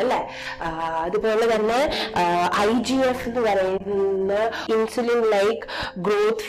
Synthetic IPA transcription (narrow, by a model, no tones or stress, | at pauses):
ɐlːɐ | ɐðɨpːoːoːɭet̪ɐnːeʔɐjd͡ʑiesinːɨpɐɾɐjuɾunːɐinsulinɖlɐjk | ɡɾoːt̪ʰf